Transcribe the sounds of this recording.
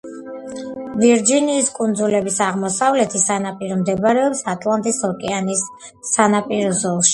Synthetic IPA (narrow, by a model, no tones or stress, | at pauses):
viɾd͡ʒiniːskʼund̪zulɛbisaʁmɔsavlɛt̪ʰisanapʼiɾɔmd̪ɛbɾɛɔpsat̪ʼlˠant̪ʼisɔkʼɛanisː | anapʼiɾɔzɔlˠʃi̥